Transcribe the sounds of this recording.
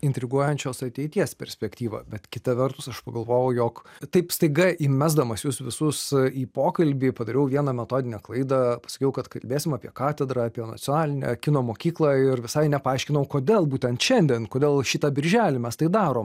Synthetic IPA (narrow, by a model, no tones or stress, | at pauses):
ɪnʲt̪ʲɾʲɪɡuɔjɛnʲt͡ʃʲoːsɐt̪ʲɛɪt̪ʲiɛspʲɛɾʲsʲpʲɛkt̪ʲiːʋɐ̰bʲɛt̪kʲɪt̪ɐʋʲɛrt̪ʊsɐʃpɐɡɐlˠʋoːjoʊjoːkt̪ɐɪpst̪ɐɪɡɐʔiːmʲæzd̪ɐmɐsjʊsʋʲɪsʊsiːpoːkɐlʲbʲiːpɐd̪ɐɾʲɛʊʋʲiɛnɐmʲɛt̪oːd̪ʲɪnʲɛklˠɐɪd̪ɐpɐsɐ̥kʲɛʊkɐt̪kɐlʲbʲeːsʲɪmɑːpʲiɛkɑːt̪ʲɛd̪ɾɐɐpʲiɛnɐ̰t͡s̪ʲɪɔnɑːlʲɪnʲɛ̰kʲɪnoːmoːkʲiːklˠɑːɪrʋʲɪsɐɪnʲɛpɐɑɪʃʲkʲɪnɐʊkoːd̪ʲeːlˠbuːt̪ʲɛnt̪ʃʲɛnʲd̪ʲɛːnkoːd̪ʲeːlˠʃʲit̪ɐbʲɪɾʲʒʲæːlʲɪmʲɛst̪ɐɪd̪ɑːɾoːm